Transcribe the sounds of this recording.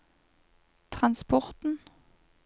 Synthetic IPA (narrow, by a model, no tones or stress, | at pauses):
t̪ʰʁɑnspɔʁt̪n̩